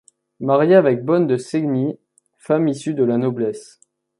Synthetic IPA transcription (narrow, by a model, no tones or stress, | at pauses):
maʁjeavɛk̚bɔnd̪əsɛɡni | famisyd̪əlanɔblɛs